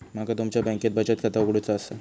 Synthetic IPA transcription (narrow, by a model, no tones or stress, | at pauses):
makat̪umt͡ɕjabɛ̃ŋket̪bət͡ɕat̪̚kʰat̪aokɽet͡saːsa